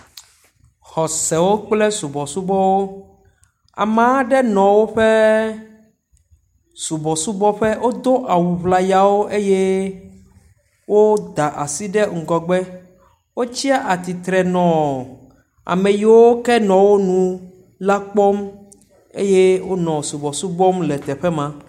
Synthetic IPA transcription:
xɔ˨sɛ˨wo˦k͡plɛ˦su˨bɔ˨su˦bɔ˦wo˦ | a̰˨mã˨˦ɖɛ˦nɔ̃˨wo˦ɸɛ˦ | su˨bɔ˨su˦bɔ˦ɸɛ˦wʔo˦d̪o˦ʔa˨wu˨βla˨ja˨wo˦ʔe˦jɛ˦ | wo˦d̪a˨ʔa˨si˦ɖɛ˦ŋ̩˨ɡɔ˨ɡ͡bɛ˦ | wo˦t͡ɕi˦a˦ʔa˨t̪i˨t̪ɾɛ˨nɔ̃˨ | a̰˨mẽ˨ji˨wo˦kɛ˦nɔ̃˨wo˦nũ˨ | la˦k͡pɔ˦m | ḛ˦je˦wo˦nɔ̃˨su˨bɔ˨su˦bɔ˦mlɛ˨t̪ɛ˨ɸɛ˦mã˨

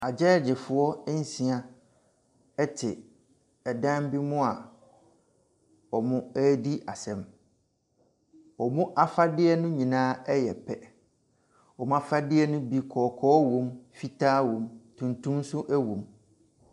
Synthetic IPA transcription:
a˨d͡ʑɛː˦˨d͡ʑɪ˨fʊ˨ɔ˦n̩˦sĩ˨a˨ | ɛ˦tʰɪ˨ | ɛ˨dã˦m˦bi˦mʊ̃˦a˨ | ɔ˨mʊ̃˦ɛ˦di˦ʔa˨sɛ̃˨m | ɔ˨mʊ̃˦ʔa˦fa˦dɪ˦ɛ˦nʊ̃˦ɲĩ˨nãː˦ɛ˦jɛ˨pʰɛ˦ | ɔ˨mʊ̃˦a˦˨fa˦dɪ˦ɛ˦nʊ̃˦bi˦kʰɔː˨kʰɔː˦wõ˦mfi˦tʰaː˦wõ˨mtʰũ˨ntũ˦m˦sʊ˦ʔæ˦wõ˨m

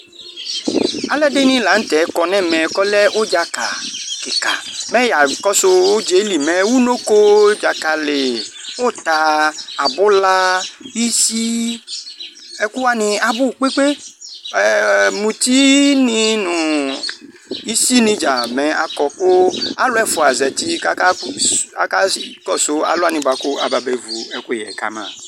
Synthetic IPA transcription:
a˨lɛ˦de˦nĩ˦la˨˦ŋ̩˦t̪ɛ˨˦kɔ˨nɛ̃˦˨mɛ̃˨kɔ˦lɛ˦ʔo˦d͡ʒa˨ka̰˨ke˨ka̰˨mɛ̃˦ja˨kɔ˦so˦wo˦d͡ʒe˨˦li˨mɛ̃˨wu˦no˦ko˦d͡ʒa˨ka˨le˨wo˦t̪a˨a˨bʊ˦la˦ji˦si˦ | ɛ˦ku˦a˦nɪ̃˨a˨bʊ˦˨k͡pe˦k͡pe˦ɛ˨mũ˨t̪i˦nĩ˦nũ˨ | i˦si˦nĩ˦d͡ʒa˨mɛ̃˨a˨kɔ˨ko˦a˨lʊ˦ɛ˦fʊ˨a˨zɛ˨t̪i˦ka˦ka˦a˨ka˦kɔ˦so˨˦a̰˨lʊ˦a˦˨nĩ˨ba˨ko˦a˨ba˨be˨vu˨ɛ˨ku˦jɛ̰˨ka̰˦mã̰˨

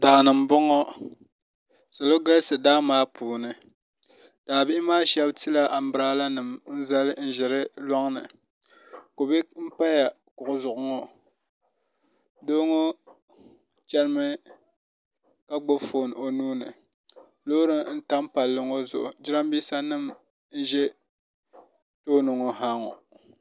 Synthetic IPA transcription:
da˨ʔnɨ˨m˨bʊ˦ŋɔ˦ | sa˨lo˦ɡa˦lsɨ˨daː˦maː˦puː˨nɨ˨ | d̥aː˨bɪ˦ɪ˦maː˦ʃɛ˦bti˦la˦ʔa˨m̩˨˦bɨ˦ɾaː˦la˦nɨ˨mn̩˦za˦lɨ˦n̩˦ʒɪ˨ɾɨ˦lɔ˦ŋnɨ̰˨ | ko˨bɪ˦m̩˦pa˦ja˨ | kʊ˨ʔʊ˨zʊ˨ʔʊ˨ŋɔ˦ | doː˦ŋo˦ | t͡ʃɛ˦lmɨ˦ | ka˦ɡ͡bo˦foː˨n˨o˨nuː˦nɨ˨ | lo˦ɾɨ˦n̩˦ta˦mpa˨lːɨ˨ŋo˦zʊ̰˨ʔʊ̰˨d͡ʒɪ˦ɾa˦m˦biː˦sa˦nɨ˦˨m | n̩˦ʒɛ˦ | toː˦no˨ŋo˨ɦaː˦ŋɔ̰˨

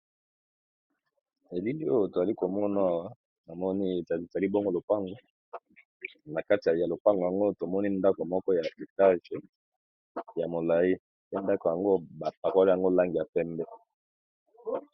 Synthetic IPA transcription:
e˨li˦i˦o˦jo˨to˨za˨li˦ko˨mɔ˦n˦a˦wa˦ | na˨mɔ˦ni˦˨za˨li˦bo˦ŋɡo˦lo˨pa˦ŋɡo˨ | na˨ka˦ti˨a˨ja˨lo˨pa˦ŋɡja˨ŋɡo˦to˨mɔ˦ni˦nda˦ko˨mɔ˦kɔ˦ja˨e˨ta˦ʒe˨ | ja˨mo˨la˨i˦ | pe˦nda˦ko˨ja˨ŋɡo˦ba˨p̚a˨ka˦li˦a˨ŋɡo˦la˦ŋɡi˨ja˨pɛ˦mbɛ˦

